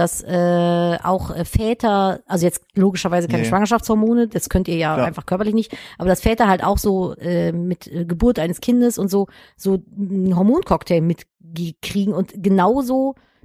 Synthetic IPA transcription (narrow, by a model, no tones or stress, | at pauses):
d̥asʔɛːa̰ʊxʔɛːfɛːtʰɐʔalzojɛt͡stloːɡɪʃɐvaɪzəkʰaɪnəʃv̥aŋɐʃaftt͡shɔɐmoːnədaskʰœntiːɐjaːaɪnfaχkʰœɐpɐlɪçnɪçtʔaːbɐdasfɛːtɐɦalta̰ʊxz̥oːʔɛːmɪtɛːɡəbuːɐtʔaɪnəskʰɪndəsʊntz̥oː | z̥oːɦɔɐmoːnkʰɔktʰɛɪlmɪt | ɡəkʁ̥iːɡŋ̩ʊntɡ̥ənaʊzoː